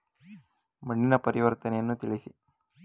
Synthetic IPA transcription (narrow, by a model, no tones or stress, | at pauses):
mɐɳːinɐpɐɾiʋɐɾt̪ɐnɛjɐnːut̪iɭisi